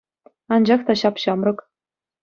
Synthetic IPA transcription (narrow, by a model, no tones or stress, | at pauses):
ɑnd͡ʑɑχt̪ɑɕɑpɕɑmrɤ̆k